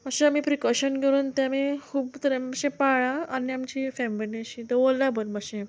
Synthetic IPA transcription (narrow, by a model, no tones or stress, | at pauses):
əɕeamiːpɾikɔɕənɡʱeɾuːnt̪ãmikʰuːbt̪əɾaməɕẽpaɭãaniamt͡ɕiːfɛmbəneɕit̪əʋolːabənməɕẽ